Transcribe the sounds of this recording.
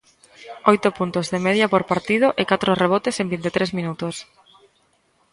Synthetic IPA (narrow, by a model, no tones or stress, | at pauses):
ojt̪opunt̪ozðemeðjapoɾpaɾt̪ið̞ʊʔekat̪ɾoreβ̞ɔt̪esembint̪et̪ɾezmĩnut̪os